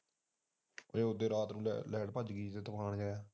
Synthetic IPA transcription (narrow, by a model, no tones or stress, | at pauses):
eːʊd̪eːɾaːt̪nṵ̃ːlɛːɽpəd͡ʒɡiːt̪eːt̪əpaːɳd͡ʒaːaː